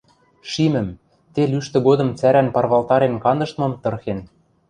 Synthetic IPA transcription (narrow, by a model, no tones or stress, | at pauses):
ʃimɘ̆m | t̪elyʃt̪ɘ̆ɡod̪ɤ̆mt͡sæɾænpɑrβɑlt̪ɑɾenkɑnd̪ɤ̆ʃt̪mɤ̆mt̪ɤ̆rxen